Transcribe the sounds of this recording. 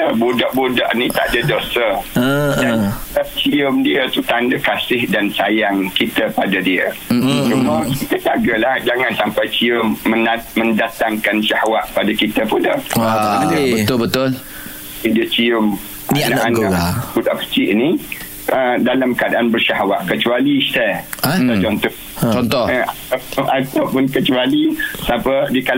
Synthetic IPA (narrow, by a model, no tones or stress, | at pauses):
əbudaʔbuda̰ʔnĩt̪aʔadadosəədanat͡ʃiʊmdiət̪ut̪andakasɪhdansajaŋkit̪əpadadiə̰t͡ʃuməit̪əd͡ʒaɡəlahd͡ʒaŋansampajt͡ʃiʊmːə̃namə̃ndat̪aŋkanʃahwaʔpadakit̪əpuda̰ʔabət̪ʊlbət̪ʊl | idiət͡ʃiʊm | ʔninaanãpudaʔkə̥t͡ʃiʔni | ʔədalamkadaʔanbərʃaɦwaʔkət͡ʃualist̪ɛaat͡ʃɔnt̪ɔh | t͡ʃɔnt̪ɔa | aʔat̪awpʊnkət͡ʃualisapədiəkal